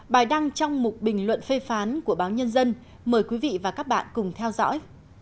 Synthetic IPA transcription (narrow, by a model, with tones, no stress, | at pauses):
ɓaː˨˩jɗa˧ŋt͡ɕɔ˧wŋ͡mmʊ˨˩t̚ɓï˨˩ŋ̟lwə̰˧˨nfe˧faː˨˦nku˧˩əɓaː˨˦wɲə˧nzə˧n | məː˨˩jkwi˨˦vḭ˧˨vaː˨˩kaː˦˥k̚ɓa̰ː˧˨nkʊ˨˩ŋ͡mt̪ʰɛ˧wzɔ̰˧˥j